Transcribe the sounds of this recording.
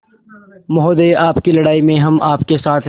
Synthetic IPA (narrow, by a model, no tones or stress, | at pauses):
mɐɦoːd̪eaːpkilɐɽaːimẽɦɐmʔaːpkesaːt̪ʰ